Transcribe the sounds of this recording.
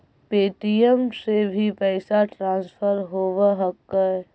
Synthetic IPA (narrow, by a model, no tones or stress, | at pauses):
peːʈiəmsebʱipɛːsaʈɾãːnspʰəɾɦoːʋəɦəkːəɛ